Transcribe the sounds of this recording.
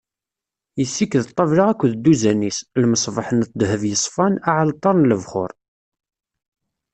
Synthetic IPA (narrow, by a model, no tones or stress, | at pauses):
jəsːikːəðt̪ˤːɑvlaʁækʷːðd̪ːuzænislməsˤvɑħənt̪̚ːd̪həvjəsˤfɑnaʕlt̪ˤːɑɾˤnləvχʊ̰ɾˤ